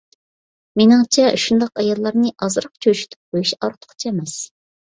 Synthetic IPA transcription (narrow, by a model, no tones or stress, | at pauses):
menɪŋt͡ʃʰɛʃund̪ɑqɑjɑlˠːɑɾnɨʔɑzɾɑq̚t͡ʃʰøʃy̥t̪ʰy̥p̚bojiʃɑɾt̪ʰʊ̥qʰt͡ʃʰɛmɛs